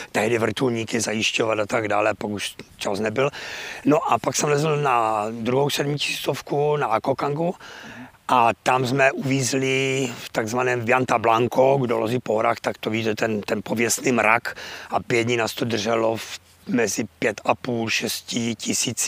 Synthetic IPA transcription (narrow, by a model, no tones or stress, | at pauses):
t̪ɛɦdɪvr̩t̪ulɲiːkɪzajɪʃcovat̪at̪aɡda̰ːlɛpaɡuʃt͡ʃasnɛbɪlnoʔapaksɛmlɛzl̩nad̪ɾuɦowsɛdmɪci̥sit̪ofkunaʔakokaŋɡu | ʔat̪amzmɛʔuviːzlɪft̪aɡzvanɛːmvjant̪ablaŋkoɡdolozipoɦoɾaːxt̪akt̪ovit̪ɛt̪ɛnt̪ɛnpovjɛst̪niːmɾa̰kʔapjɛd̪ɲinaːst̪od̪rʐɛlof | mɛzɪpjɛt̪apuːlʃɛscɪcɪsiːt͡s